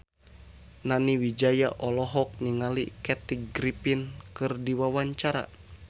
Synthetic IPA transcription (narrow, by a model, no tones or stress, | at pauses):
naniwid͡ʒajaʔɔlɔɦɔk̚niŋalikɛt̪ik̚ɡɾipinkɨrdiwawaɲt͡ʃaɾa̰